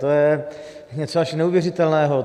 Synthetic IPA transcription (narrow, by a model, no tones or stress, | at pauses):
t̪ojɛ | ɲɛt͡soaʃnɛuvjɛrɪt̪ɛlnɛːɦo